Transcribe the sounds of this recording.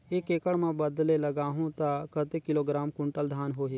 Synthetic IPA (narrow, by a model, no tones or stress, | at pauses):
ekeːkəɽmãːbəd̪leləɡaːɦõːt̪akət̪eːkɪloːɡɾaːmkʊ̃ɳʈəld̪ʱaːnɦoːɦeː